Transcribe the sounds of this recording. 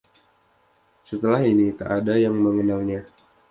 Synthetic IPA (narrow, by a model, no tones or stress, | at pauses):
sət̪əlaɦinik̪aʔadajaŋməŋənalɲa